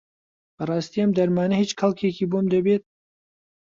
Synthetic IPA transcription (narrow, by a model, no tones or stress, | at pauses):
bɐrˤɑːst̪iːɐmd̪ɐɾmaːnɐhiːt͡ʃkʰɐlˠkʰekiːbomd̪ɐbet̪̚